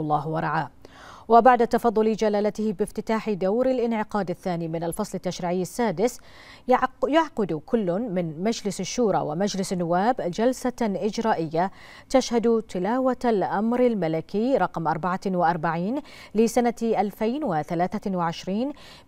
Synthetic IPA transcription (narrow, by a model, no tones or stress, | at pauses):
lˤːɑːɦwɑɾˤɑʕaː | wɪbaʕd̪at̪ɑfɑðˤːʊlɪd͡ʒalaːlat̪ɪhɪbɪft̪ɪt̪aːħɪd̪awɾɪlʔɪnʕɪqɑːd̪ɪθːaːniːmɪnalfɑsˤlɪt̪ːaʃɾiːʕɪjːasːaːd̪ɪs | jaʕqʊd̪kʊlːʊmɪnmad͡ʒlɪsaʃːuːɾˤɑ̰wɪmad͡ʒlɪsanːʊwːaːbd͡ʒalsaʔɪd͡ʒɾˤaːʔɪjːa | t̪aʃhad̪t̪ɪlaːwat̪alʔamɾɪlmalɪkɪjɾˤɑqmʔɑɾˤbaʕawɪʔɑɾˤbaʕiːn | lɪsanaʔalfajnwɪθalaːθawɪʕɪʃɾiːn